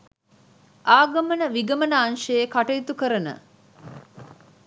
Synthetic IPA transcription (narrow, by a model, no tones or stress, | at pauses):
ʔaːɡɐmənəʋiɡəmənəanʃəjekaʈəjit̪ukəɾənə̰